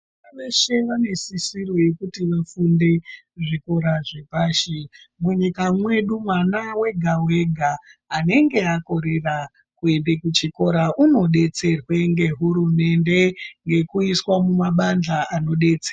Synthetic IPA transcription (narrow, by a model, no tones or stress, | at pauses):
anaʋeʃe̞ʋane̞sisiro̞je̞kutiʋafunde̞ | ʐiko̞ɾaʐe̞paːʃi | muɲikamwe̞ɗumwanawe̞ɡʱawe̞ɡʱaːne̞ŋɡe̞ako̞ɾe̞ra | kuendekut͡ʃiko̞ɾaʔuno̞ɗe̞t͡se̞rwe̞ŋɡe̞ɦuɾume̞nde̞ŋɡe̞kuiswamumaɓand͡ɮaano̞ɗe̞t͡sera